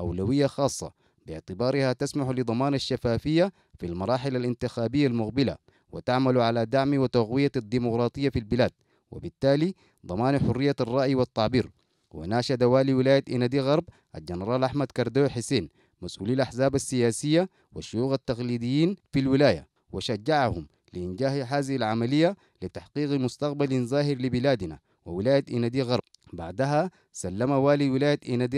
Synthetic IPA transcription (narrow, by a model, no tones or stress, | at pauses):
ʔawlawijːaxɑːsˤːɑ̰ | bɪʕt̪ibɑːɾihat̪asmaħulid̪ˤɑmɑːnaʃːafaːfijːa | filmɑɾˤɑːħɪlalʔint̪ixaːbijːalmuqbila̰ | wḭt̪aʕmaluʕalad̪aʕmiwit̪aɣwijad̪ːiːmuqɾˤɑːt̪ˤɨjːafilbilaːd̪̥̚ | wḭbit̪ːaːli | d̪ˤɑmɑːnħʊrːijːarˤːɑːʔjiwɑt̪ˤːɑʕbiːɾ | wḭnaːʃad̪awaːliwilaːjat̪ʔinad̪iɣɑɾˤb | ʔa̰ld͡ʒanɾˤɑːlʔaħmad̪kɑɾˤd̪oːħiseːn | masʔṵːliːjalʔaħzaːbasːijaːsijːa | wa̰ʃujuːɣat̪ːɑqliːd̪ijːiːnfilwilaːja̰ | wiʃad͡ʒːaʕahum | liʔind͡ʒaːhɦaːzihilʕamalijːa | lit̪aħqiːqmust̪ɑq̚balinzaːɦiɾlibilaːd̪na | wḭwilaːjat̪ʔinad̪iɣɑɾˤb | baʕd̪aɦa | salːamawaːliwilaːjat̪ʔinad̪i